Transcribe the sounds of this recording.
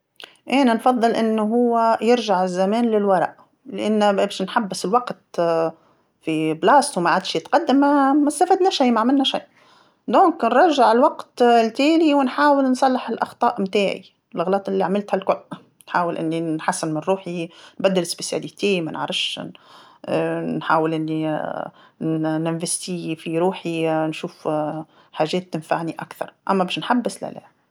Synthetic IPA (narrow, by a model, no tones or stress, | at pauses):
ʔeːnanfɑðˤːɨlʔɪnːʊɦʊwːajɪɾʒaʕɪzːamæːnlɪlwɑɾˤɑ̰ʔ | lɪʔanːabʃnħabːɪsɪlwaqt̪̚ | fiblɑːst̪wmaʕad̪ʃjɪt̪qɑd̪ːamːamast̪afad̪naʃaːmaʕmɪlnaʃaːʔ | d̪oːŋknɾˤɑʒaʕɪlwaqt̪lt̪eːniwɪnħaːwɪlnsˤɑlːɪħɪlʔɑxt̪ˤɑːʔmt̪aːʕḭ | lɣlɑːt̪ˤʔɪlːiaʕmɪlt̪hælkʊl | nħaːwɪlʔɪ̰nːinħasːɪnmɪnɾuːħinbæd̪ːɪlɪsbesja̰lit̪eːmæ̰n̰ʕɾˤɪfʃʃ | nħaːwɪlʔɪnːi | nɪnvɪst̪ifiɾuːħinʃuːf | ħaːʒɛːt̪ːɪnfa̰ʕniʔa̰kθɑ̰ɾˤʔæ̰mːæbɛːʃnħabːɪsla̰læ̰ː